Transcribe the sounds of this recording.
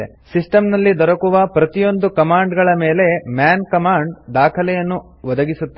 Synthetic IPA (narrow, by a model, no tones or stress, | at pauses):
ḛ | sisʈɐmnɐlːid̪ɔɾɐkuʋɐpɾɐt̪ijo̞nd̪ukɐmaːɳɖɡɐɭɐmeːle̞mjaːnkɐmaːɳɖd̪aːkʰɐlɛjɐnːu | ʋɐd̪ɐɡisut̪ː